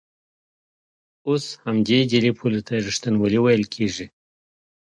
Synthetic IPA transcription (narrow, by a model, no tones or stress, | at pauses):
oshamd̪ed̪elepʰulat̪ʰaʐiʂt̪anwəliwajəlkʰeʐi